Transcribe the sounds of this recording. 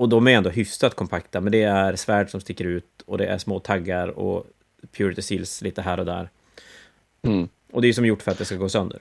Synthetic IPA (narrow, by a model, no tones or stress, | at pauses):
ɔd̪ɔmæɾjɛnd̪oːɦʏfsat̪kʰɔmpʰakt̪amɛnd̪ɛæɾsvæːɖʂɔmst̪ɪkːəɾʉ̟ːt̪ɔd̪ɛʔæ̰ʂmoːt̪ʰaɡːaɾɔ̰ | pʰjuːɾɪt̪ɪsilsliːt̪əɦæːɾɔd̪æ̰ːɾ | ʔɔd̪ɛːjəsɔmjʊʈːfœɾat̪̚d̪ɛskaɡoːsœnd̪ə̰ɾ